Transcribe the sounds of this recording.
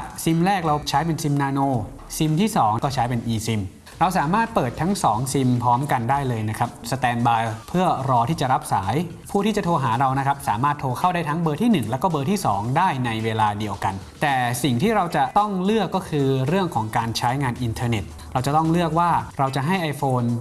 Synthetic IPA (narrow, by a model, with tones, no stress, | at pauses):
si˧mɾɛː˥˩k̚ɾa˧wt͡ɕʰa˦˥jpe˧nsi˧mnaː˧noː˧ | si˧mt̪ʰiː˥˩sɔː˩˦ŋkɔː˥˩t͡ɕʰa˦˥jpe˧nʔiː˧si˧m | ɾa˧wsaː˩˦maː˥˩t̪̚pɤː˨˩t̪ʰːa˦˥ŋsɔː˩˦ŋsi˧mpʰɔː˦˥mka˧ndaː˥˩jlɤː˧jna˦˥kʰɾa˦˥p̚sa˧t̪ɛː˧nbaː˧jpʰɯ˥˩əɾɔː˧t̪ʰiː˥˩t͡ɕa˨˩ɾa˦˥p̚saː˩˦j | pʰuː˥˩iː˥˩t͡ɕa˨˩t̪ʰoː˧ɦaː˩˦ɾa˧wna˦˥kʰa˦˥p̚saː˩˦maː˥˩t̪ʰːoː˧kʰa˥˩wdaː˥˩jt̪ʰa˦˥ŋbɤː˧t̪ʰiː˥˩nɯ˨˩ŋlɛː˦˥wkɔː˥˩bɤː˧t̪ʰiː˥˩sɔː˩˦ŋdaː˥˩jna˧jweː˧laː˧di˧əwka˧n | t̪ɛː˨˩si˨˩ŋt̪ʰiː˥˩ɾa˧wt͡ɕa˨˩t̪ɔ˥˩ŋlɯ˥˩əkːɔː˥˩kʰɯː˧ɾɯ˥˩əŋkʰɔː˩˦ŋkaː˧nt͡ɕʰa˦˥jŋaː˧nʔi˧nt̪ʰɤː˧ne˨˩t̪̚ | ɾa˧wt͡ɕa˨˩t̪ɔ˥˩ŋlɯ˥˩ək̚waː˥˩ɾa˧wt͡ɕa˨ʔɦa˥˩jʔa˧jfoː˧n